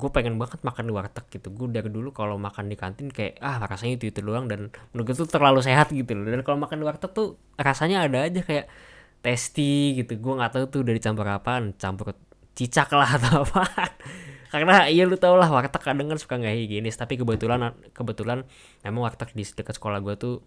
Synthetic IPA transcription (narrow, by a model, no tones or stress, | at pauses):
ɡuapeŋɛnbaŋət̪̚makandiwart̪ək̚ɡ̥it̪uɡuadirdulukalomakandikant̪ɪnkaja̰ʔahrasaɲait̪uit̪uluaŋdanmənuɡat̪ut̪ərlalus̬eɦat̪̚ɡit̪uldankalomakandiwart̪ək̚t̪u | rasaɲaːdaːd͡ʒakajaʔ | t̪ɛst̪iɡit̪uɡuaŋat̪aut̪uudadit͡ʃampʊɾapant͡ʃampʊr | t͡ʃit͡ʃaklaɦt̪aapankarənaijalut̪aulahwart̪əkːadaŋkansu̥kaŋɡaɦiɡinɪst̪apikəbət̪ulan | kəbət̪ulan | memaŋwart̪ək̚disdəkət̪sə̥kolahɡuat̪u